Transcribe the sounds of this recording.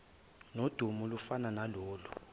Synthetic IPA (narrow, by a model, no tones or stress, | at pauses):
nod̥ʱumulufananalɔːlu